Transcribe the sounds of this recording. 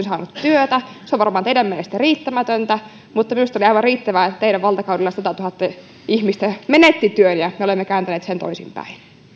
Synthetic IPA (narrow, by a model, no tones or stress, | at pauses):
nsɑːnut̪t̪yøt̪æ | seoʋɑrmɑːnt̪eidæmmenlest̪æriːt̪ːæmæt̪ønt̪æ | mut̪ːɑminust̪ɑoliɑiʋɑriːt̪ːæʋæːt̪eiɾæʋʋɑlt̪ɑkɑuwdilːɑsɑt̪ɑt̪uhɑt̪ːɑ | ihmist̪æmenet̪ːit̪yønjɑmeolemːekæːnt̪æneːt̪sent̪o̰isḭmpæ̰in